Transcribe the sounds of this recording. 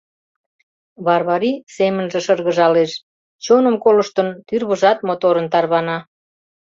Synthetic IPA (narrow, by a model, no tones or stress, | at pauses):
βɑrβɑɾisemənʒĕʃərɣəʒɑleʃ | t͡ɕonəmkoləʃt̪ənt̪yrβəʒɑt̪̚mot̪oɾənt̪ɑrβɑnɑ